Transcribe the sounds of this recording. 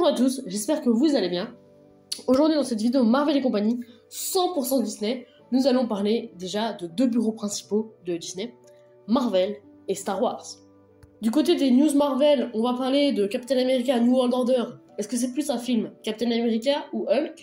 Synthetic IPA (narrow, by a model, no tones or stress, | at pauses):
bɔ̃ʒuʁat̪usʒɛspɛʁkəvuzalebjɛ̃ | oʒuʁd̪ɥid̪ɑ̃sɛt̪vid̪eomaʁvɛlekɔ̃paɲi | sɑ̃puʁsɑ̃əd̪isnɛ | nuzalɔ̃paʁled̪eʒad̪əd̪øbyʁopχɛ̃si̥pod̪əd̪isnɛ | maʁvɛl | est̪aʁwaʁz̥ | d̪ykot̪̬ed̪enjuzmaʁvɛlɔ̃vapaʁled̪əkapi̥t̪ɛnameʁikʲɛ̃nuɔld̪ɔʁd̪œʁ | ɛskəs̬ɛplysɛ̃filmkʲapit̪ɛnameʁikʲɛ̃uʔœlk